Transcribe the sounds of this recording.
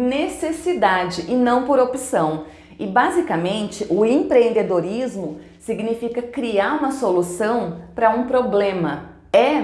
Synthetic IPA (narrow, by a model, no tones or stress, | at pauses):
nesesid̪ad͡ʒɪʔɪnɐ̃w̃poɾopisɐ̃w̃ | ɪbazikɐmẽnt͡ʃɪʔʊẽpɾeẽnd̪ed̪oɾizmʊ | siɡnifikɐkɾiaɾũmɐsolusɐ̃w̃pɾɐũpɾoblẽmɐ | ɛ